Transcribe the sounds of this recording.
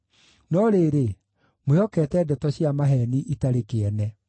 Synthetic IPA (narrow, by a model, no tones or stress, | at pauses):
nɔɾeɾe | mojɔkɛtɛdɛtɔɕiamaɦɛniʔitaɾekeɛnɛ